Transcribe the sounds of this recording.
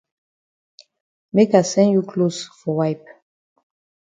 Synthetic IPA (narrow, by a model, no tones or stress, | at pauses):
mekasɛ̃njukʰlosfɔwajp̚